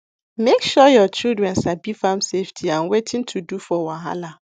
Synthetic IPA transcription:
mekʃɔjɔt͡ʃildɹɛ̃nsabifãmseftʰiãnwetʰĩntʰudufɔwãnɦa̰la

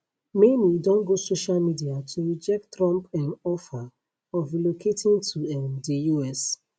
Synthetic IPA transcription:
menidɔ̃nɡosoʃalmidiatʰuɹid͡ʒɛk̚ttːɾɔ̃mpãnɔfa | ɔfilokʰetĩntʰuɛmdijuɛs

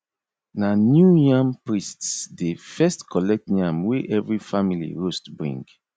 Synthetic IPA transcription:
nanjujãmpɹistsdefɛstkʰɔlɛk̚tjãmweʔɛvɹifamilḭɹostbɹḭ̃ŋɡ

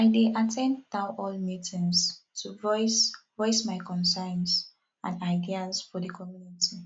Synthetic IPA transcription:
aɪdeʔatʰɛ̃ndːãʊʔɔlmitʰĩnstʰuvɔsvɔɪsmaɪkɔ̃nsãɪns | ã̰naɪdiazfɔdikʰɔmjuniti

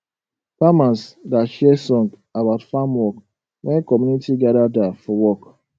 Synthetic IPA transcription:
famãnsdaʃɛsɔ̃ŋɡabaʊtfamwɔk | wʔɛ̃nkɔmunitʰiɡaɾadafɔwɔk

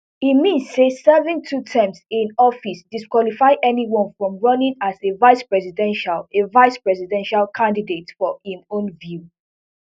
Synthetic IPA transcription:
imĩnsːesɛvĩŋtʰutʰɛ̃msĩnɔfisdiskwɔlifaɪʔɛniwɔ̃nfɹɔ̃mɹɔ̃nĩŋazevaɪspɹɛsidɛ̃nʃalevaɪspɹɛsidɛ̃nʃalkʰãndidetfɔhĩmõnvju

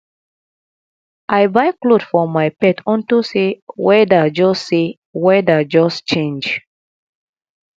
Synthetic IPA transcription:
ʔajbaɪklodfɔmajpɛtʰɔ̃ntusewɛdad͡ʒɔsse | wɛdad͡ʒɔst͡ʃẽnd͡ʒ

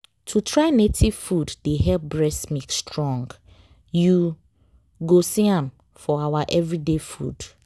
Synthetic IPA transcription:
tʰutʰɹaɪnetʰiv̥fuddeɦɛlp̚bɹɛsmikstɹɔ̃ŋɡ | ju | ɡosiãm | fɔawaʔɛvɹidefṵd̥

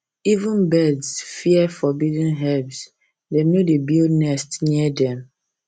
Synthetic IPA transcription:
ivũnbɛdsfiɛfɔbidĩnɦɛbs | dɛ̃mnodebilnɛstniɛdɛ̃m

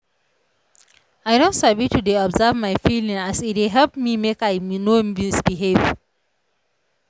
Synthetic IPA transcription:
aɪdõntsabitudeɔbzavmaɪfilĩŋasit̚eɦɛlpmimekaɪmnoĩsbiɦev

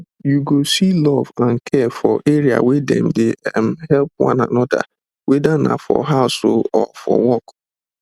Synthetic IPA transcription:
juɡosilɔvãnkʰɛfɔʔeɾia̰wedɛ̰̃m̩deɛm̩hɛlpwã̰na̰nɔda̰ | wɛdana̰fɔ̰ɦaʊsholɔfɔ̰wɔk

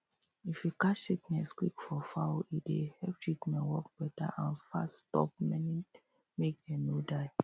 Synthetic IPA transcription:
ifjukasiknɛskwikfɔfaidehɛp̚t͡ʃikmɛ̃nwɔkb̥ɛta̰ʔãnfa̰sstɔ̰p̚mɛni | mek̚ɛ̃nodaɪ

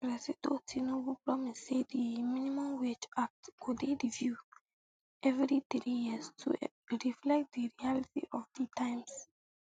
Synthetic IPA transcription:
ɹɛsitotʰinobupɹɔmisːediminimɔ̃mwet͡ʃak̚tkudeɹivju | ʔɛvɾitɾijistʰṵ | ɹiflɛk̚t̚d̪iɹialitḭʔɔfditʰãɪ̃ms

